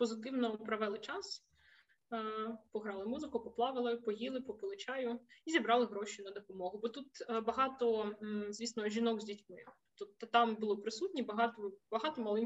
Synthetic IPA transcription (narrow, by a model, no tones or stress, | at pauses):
pɔzɪt̪ɪwnɔpɾɐʋɛlˠɪt͡ʃɑs | pɔɦɾɑlˠɪmuzɪkʊpɔplˠɑʋɪlˠɪpɔɦilˠɪpɔpɔlˠɪt͡ʃɑjʊizʲibɾɑlˠɪɦɾɔʃʲʊnɐd̪ɔpɔmɔɦʊbɔt̪ut̪bɐɦɑt̪ɔzʲʋʲisnɔʒʲinɔɡzʲdʲitʲmɪ | t̪ɔt̪t̪ɑmbʊlˠɔpɾɪsutʲnʲibɐɦɑt̪ɔbɐɦɑt̪ɔmɐlˠɪm